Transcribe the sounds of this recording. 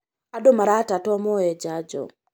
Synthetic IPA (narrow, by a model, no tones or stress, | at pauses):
aɗomaɾatatɔmɔɛd͡ʒad͡ʒɔ̰